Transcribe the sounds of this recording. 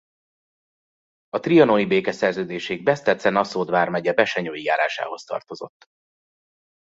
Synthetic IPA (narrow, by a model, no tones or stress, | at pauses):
ɒt̪rijɒnonibeːkɛsɛrzøːd̪eːʃɛiɡ̚bɛst̪ɛt̪sɛnɒsoːd̪vaːrmɛɟɛbɛʃɛɲoːjijaːɾa̰ːʃa̰ːho̞st̪ɒ̰rt̪o̞zo̞̰t̪ː